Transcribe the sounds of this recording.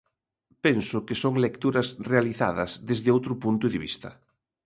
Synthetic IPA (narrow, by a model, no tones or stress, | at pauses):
pensʊkɪsoŋlekt̪uɾɐsrealiθa̰ðɐzðezðɪowt̪ɾʊpunt̪ʊðɪβḭst̪ɐ